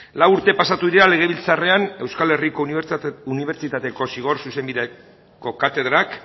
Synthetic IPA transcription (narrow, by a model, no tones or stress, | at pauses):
lawuɾt̪e̞pasat̪uðiɾeɾale̞ɣ̞e̞βilt͡sare̞ane̞wskale̞rikouniβe̞ɾt͡ʃit̪at̪e̞ko̞siɣ̞o̞ɾsuse̞mbiðe | ko̞kat̪e̞ðɾak